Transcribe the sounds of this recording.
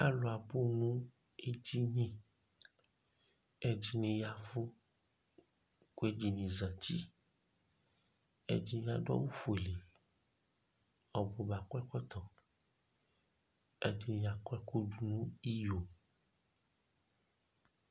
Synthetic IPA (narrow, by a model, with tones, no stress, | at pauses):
a̰˦lo˨a˨bo˦nũ˦ | e˦d͡ʑi˦ɲĩ˦ | e˨d͡ʑi˦nĩ˨ja˨vo˦ | ko˦e˦d͡ʒi˨ɲĩ˨za˨ti˦ | ḛ˨d͡ʑi˦n˨˦a˨ɖɔ̰˦wu˦fu˨e˨le˨ | ɔ˨bo˨ba˨kɛ˦kɔ˦t̪ɔ̃˨ | ɛ̰˨di˨ñ˨ja˨kɛ˦ko˦ɖu˨nũ˦i˦jo˨